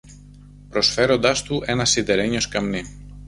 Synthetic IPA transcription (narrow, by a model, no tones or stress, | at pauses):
pɾo̞sfe̞ɾo̞nd̪ɐst̪uʔe̞nɐsid̪eɾeɲoskɐmni